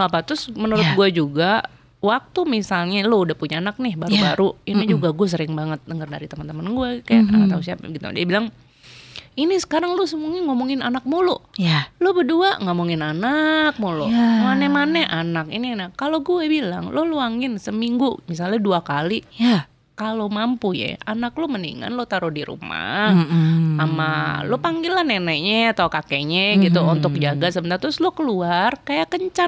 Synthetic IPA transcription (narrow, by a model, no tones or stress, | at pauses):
apat̪ʊsmənuɾʊt̪̚ɡuad͡ʒuɡa | wak̚t̪umisalɲaloudahpuɲaːnak̚nɪhbaɾubaɾuinad͡ʒuɡaɡuɛs̬əɾɪŋbaŋət̪̚dəŋərda̰ɾit̪əmənt̪əmənɡuɛkajaaausiapa̰ɡit̪ṵdiabilaŋ | inisə̥kaɾaŋlʊsəmuŋaŋomoŋɪnanak̚mulʊjalʊbəduaŋomoŋɪnanak̚mulo̰manɛmanɛʔanakininakaloɡuɛbila̰ŋloluaŋɪnsəmiŋɡumis̬alɲaduakalia | kalomampujɛ̰anaklomənḭŋa̰nlot̪aɾʊdiɾṵma̰ | ama̰lopaŋɡilahnɛnɛɲɛat̪aukakeɲɛɡit̪uunt̪ʊk̚d͡ʒaɡasəbənart̪ʊslokəluarkajakəɲt͡ʃa